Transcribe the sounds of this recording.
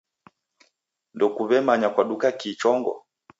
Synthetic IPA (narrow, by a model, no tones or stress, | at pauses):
ndɔkuvɛmaɲakwaɗukakiːt͡ʃɔŋɡɔ̰